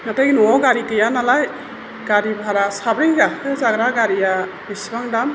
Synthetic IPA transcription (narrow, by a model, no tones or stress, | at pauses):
nataɡnɔɡaɾikɯjanalaj | ɡ̥aɾibʱaɾasabɾiŋɡakʰɯzaɡɾaɡaɾija | bisbaŋdam